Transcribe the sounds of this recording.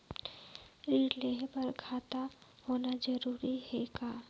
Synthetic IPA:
ileːɦbəɾkʰaːt̪ahoːnad͡ʒəɾuːɾihɛːɡaː

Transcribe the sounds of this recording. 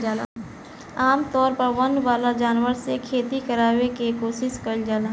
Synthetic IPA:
d͡ʒaːla | aːmt̪ɔːɾpɐɾʋɐnʋaːlad͡ʒaːnʋəɾsekʰeːt̪ikɐɾaːʋekekoːʃɪskɐɾd͡ʒaːlaː

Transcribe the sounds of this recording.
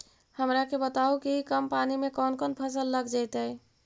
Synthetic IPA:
həmɾakebət̪aukikəmpanimekɔnkɔnpʰəsəlːəɡd͡ʒajt̪əj

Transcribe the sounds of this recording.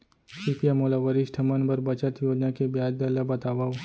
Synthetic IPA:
sipʰijamoːlaʋɐɾɪʃʈʰɐmənbɐɾbɐt͡ʃət̪joːd͡ʒnakebjaːd͡ʒd̪ɐlɐbɐt̪aːʋaːo

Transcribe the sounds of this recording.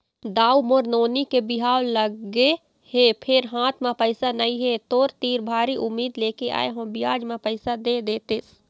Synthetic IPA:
d̪aːumoɾnoːnikebɪɦaːwləɡe | hepʰɪɾɦãːt̪ʰmãpɐɪsanɐĩɦet̪oːɾt̪iːɾbʱaːɾiʔʊmːiːd̪leːkeʔa̰ːeɦõːbɪjaːd͡ʒmãpɐɪsad̪eːd̪eːt̪es

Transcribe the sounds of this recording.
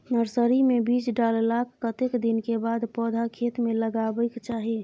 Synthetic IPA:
nəɾsəɾimebiːt͡ʃɖallakːət̪ekd̪inkebad̪pɔːd̪ʱakʰet̪meləɡabəɪkt͡ʃaːɦi

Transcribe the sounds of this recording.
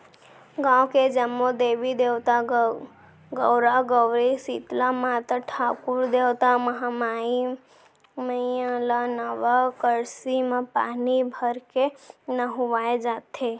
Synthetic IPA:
ɡãːwked͡ʒəmːod̪eːʋid̪ewt̪a | ɡəwɾaɡəwɾisit̪lamat̪əʈʰaːkuɾd̪ewt̪aməɦamai | məə̃lanəʋakəɾsimepa̰ːnibʱəɾkenəɦuʋaːed͡ʒaːt̪ʰe

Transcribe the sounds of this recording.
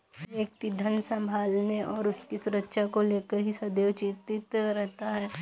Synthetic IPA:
eːk̚t̪id̪ʱɐ̃nsɐ̃mbʱaːlneʔɔːɾʊskisʊɾəkʃakoleːkəɾɦisɐd̪eʋt͡ʃit̪ɪt̪ɾɛɦt̪aɦɛː

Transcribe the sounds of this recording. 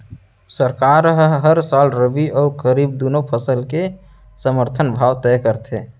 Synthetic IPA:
səɾkaɾɦɦəɾsalɾəbiəukəɾib̚d̪unopʰəsəlke | səməɾt̪ʰənbʱawt̪ɛkəɾt̪ʰe

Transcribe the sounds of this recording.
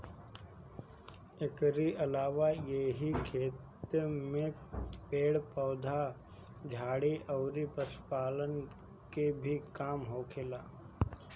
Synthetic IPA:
ɪkɾiʔɐlaːʋajeɦikʰeːt̪mẽpeːɽpɔːd̪ʱa | d͡ʒʱaːɽiʔɐːɾipəspaːlən | kebʱikaːmɦoːkʰelaː

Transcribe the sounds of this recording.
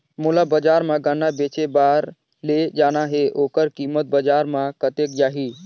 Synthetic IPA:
mulabəd͡ʒaːɾmãɡanabeːt͡ʃebaːɾ | led͡ʒaːnaɦeʔoːkəɾkimət̪̚bəd͡ʒaːɾmãkət̪eːk̚d͡ʒaːɦi

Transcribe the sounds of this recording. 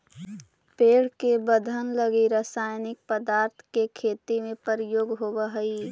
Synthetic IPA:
peːɽkebəd̪ʱənləɡiɾəsaːjnɪk̚pəd̪aːɾt̪ʰkekʰeːt̪imẽpəɾjoːɡɦoːbəɦəi

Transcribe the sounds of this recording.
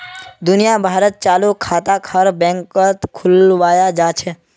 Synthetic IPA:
d̪ʊnijabʱaːɾət̪̚t͡ʃaːlukʰaːt̪akʰəɾbɛ̃ŋkət̪kʰʊlʋaːjad͡ʒaːt͡ʃʰɛ

